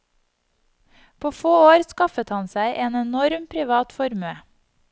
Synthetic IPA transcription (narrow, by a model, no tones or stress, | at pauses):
pʰoːfoːoːɾskɑfət̪hɑnsæɪʔeːnɛnɔɾmpʰɾɪʋɑːt̪fɔɾmøː